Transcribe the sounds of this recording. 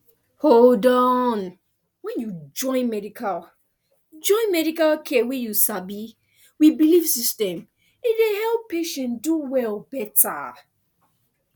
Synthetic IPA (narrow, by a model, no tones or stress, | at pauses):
holdɔ̃n | wɛ̃njud͡ʒɔ̃ɪ̃nmɛdikʰal | d͡ʒɔ̃ɪ̃nmɛɾikalkʰɛwɛjusabi | wibilifsistɛ̃m | itwehɛlˠpʰːeʃɛ̃nduwɛlˠbɛta̰